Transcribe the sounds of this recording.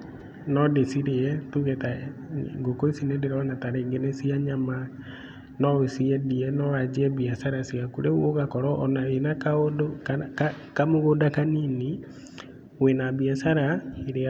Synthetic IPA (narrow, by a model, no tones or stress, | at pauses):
nɔdesiɾeɛtuɣetaŋɡokoisinedeɾaɔnataɾeːŋɡenesiaɲama | nɔesiɛdiɛnɔwad͡ʒiɛβiasaɾasiakuɾeoɣakɔɾɔʔːnaenakaodokka | kamoɣoːdakanini | wenaβiasaɾaiɾea